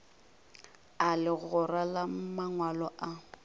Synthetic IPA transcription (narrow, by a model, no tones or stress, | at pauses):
alɪɣʊralamaŋwalɔʔa